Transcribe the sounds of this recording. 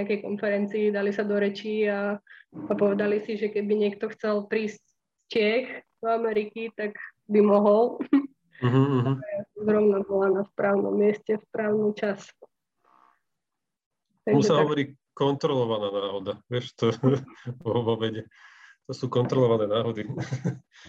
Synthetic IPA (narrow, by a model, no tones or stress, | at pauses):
ɲakɛjkɔnfɛɾɛnt͡siːd̪alisad̪ɔɾɛt͡ʃiːaː | pɔʋɛd̪alisiʒɛkɛbiɲɪɛk̚t̪ɔxt͡sɛlpɾiːsc | scɪɛxd̪̥ɔamɛɾikit̪aɡbimɔɦɔlˠ | m̩ɦm̩ːɦ̩azɾɔʊnabɔlanaspɾaːʊnɔ̰mːɪɛscɛfpɾaːʊnut͡ʃas | t̪aɡmuʒɛsaɦ̪ɔʋɔɾiː | kɔnt̪ɾɔlɔʋanaːnaːɦɔd̪aʋɪɛʃt̪ɔ | ɔʋɔʋɛɟɛ | t̪ɔsuːkɔnt̪ɾɔlɔʋanɛːnaːɦɔd̪i